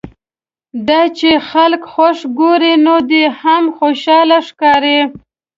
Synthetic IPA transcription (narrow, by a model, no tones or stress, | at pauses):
d̪ɑt͡ʃexalkxaʂɡoɾinod̪ehamxoʃɑlaʂkɑɾe